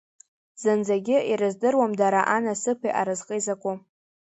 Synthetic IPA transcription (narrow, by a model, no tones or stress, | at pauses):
z̥ɨnd͡zaɡʲɪiɾɨzdɨrwamdaɾaʔanasɨpʰḭʔaɾɨzqʼəjzakʷʼʊ